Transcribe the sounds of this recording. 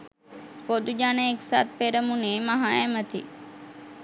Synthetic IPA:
poːd̪ud͡ʒaːneːksa̰ːt̪̚ʰpeɾəmũneməɦajẽmət̪ʰḭ

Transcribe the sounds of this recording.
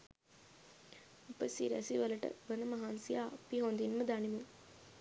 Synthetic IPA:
upəsḭɾɛ̰siʋɐlɐʈə̰ʋənɐmɐɦaːnsijaːpiɦond̪inməd̪ɐnimu

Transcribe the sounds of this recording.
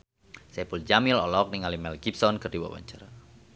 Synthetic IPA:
sɛpuld͡ʒamɪlɔlɔk̚niŋalimɛlɡ̥ipsɔnkərdiwa̰wa̰ɲt͡ʃaɾa

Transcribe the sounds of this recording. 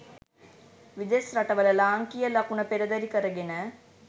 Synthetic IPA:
ʋid̪esɾaʈəʋələlaːŋkijəlɐkunəpeɾɐd̪ɐɾikəɾəɡenə

